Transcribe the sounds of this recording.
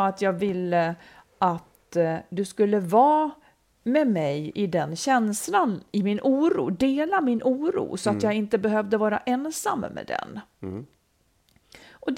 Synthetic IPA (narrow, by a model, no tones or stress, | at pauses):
at̪jɑːɡvɪlːə | ʔat̪d̪ɵskɵlːəvɑː | mɛmɛjɪd̪ɛnɕɛnslanɪmɪnʔuːɾṵːd̪eːlamɪnʔuːɾṵːsɔat̪jɑːɡɪnt̪əbɛɦœvd̪əvɑːɾa̰ʔɛnsa̰mːmɛ̰d̪ɛ̰n | ʔɔd̪